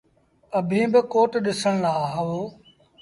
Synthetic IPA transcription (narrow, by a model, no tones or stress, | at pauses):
əbʱĩːbɪkoːʈɗɪsəɽ̃laːɦəoː